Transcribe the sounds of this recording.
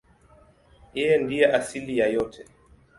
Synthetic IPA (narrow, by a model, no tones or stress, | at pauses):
jɛjɛndijɛʔasilijajɔtʰɛ